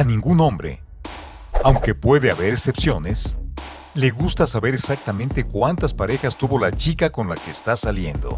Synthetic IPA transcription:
anĩŋɡunõ̞mbɾe̞̰ | awŋke̞pwe̞ðe̞aβe̞ɾekse̞psjo̞ne̞s | le̞ɣust̪asaβe̞ɾeksak̚t̪amẽnt̪e̞kwant̪aspaɾe̞xast̪uβo̞lat͡ʃikako̞nlake̞ːst̪asalje̞̰nd̪o̞̰

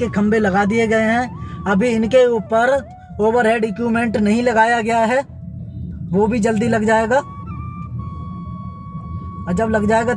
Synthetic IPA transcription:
ekʰɐ̃mbʱelɐɡaːd̪ieɡɐeɦɛ̃ɐbʱiɪnkeuːpəɾ | oːʋəɾɛːɖɪkjuːmɛ̃ɳʈnɐɦĩlɐɡaːjaɡɐjaɦɛː | ʋoːbʱid͡ʒəld̪ilɐɡd͡ʒaːeːɡaː | d͡ʒɐblɐɡd͡ʒaːeːɡa

